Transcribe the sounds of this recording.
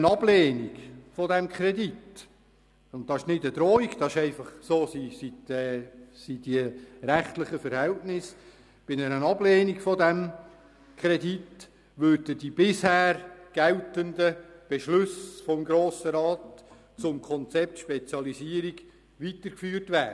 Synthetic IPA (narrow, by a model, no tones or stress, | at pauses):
ənɑbleːniɡfɔdɛmkʰɾɛdit | ʊnt̚d̥̪ɑɪʃnɪdəd̥̪ɾoːiɡd̥̪ɑɪʃɛɪfɑχsoːsisitː | sidiəɾæχt̪ləχəfəɾhɛltnɪs | b̥ɪnənənɑblɛːniɡfɔdæm | kʰɾɛdit | ʋʏɾdəd̥ib̥ɪshæːɾɡ̥æltəndəb̥ɛʃlʉsfɔmɡɾoːsəɾɑːt | t͡sʊmkʰɔnt͡sɛp̚t̪ʃpɛt͡sjɑlisiəɾiɡ | ʋitəɾkfyːrtʋæːdə